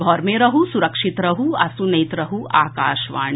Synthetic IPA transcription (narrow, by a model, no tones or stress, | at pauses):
ɡʱɔːɾmẽɾɐɦusʊɾɐkʃɪt̪ɾɐɦuɐsunɐːt̪ɾɐɦuaːkaːʃʋa̰ːɽ̃